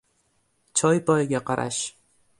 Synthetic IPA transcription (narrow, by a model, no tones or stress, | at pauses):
t͡ʃʰɒjpʰɒjɡʲaqʰaɾʔa̰ʃ